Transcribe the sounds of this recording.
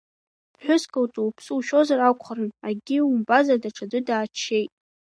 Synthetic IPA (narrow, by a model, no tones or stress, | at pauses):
ħʷᶣʊskʰʼawtʼuwpʰsuwʃo̞zarakʷʰχarɨnaɡʲiumbazadaʈ͡ʂʰadɨdaːt͡ʃʰːejtʼ